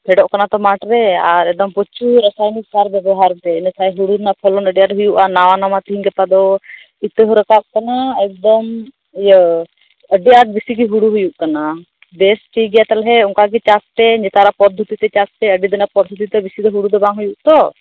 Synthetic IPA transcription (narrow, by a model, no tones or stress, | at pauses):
pʰɛɖɔʔkanat̪ɔmaʈɾɛaɾɛd̪ɔmpɔt͡ʃʰuɾəsajniksaɾbjɛbɔɦaɾt̪ɛinəsajɦuɽud̪napʰɔlɔnəɖijaʈɦujuʔanawanamat̪iɦiŋɡɛpad̪ɔ | it̪əɦɔɾəkaʔ̚kanaɛk̚d̪ɔm | jə | əɖiaʈ̚bisiɡiɦuɽuɦujuʔkana | bɛsʈijɡɛjat̪alɦɛuŋkaɡit͡ʃasʈɛɲd͡ʒɛt̪aɾapɔd̪ʱːut̪it̪ɛt͡ʃasʈɛəɖid̪ɛnapɔd̪ʱut̪it̪ɛbisid̪ɔɦuɽud̪ɔbaŋɦujuʔt̪ɔ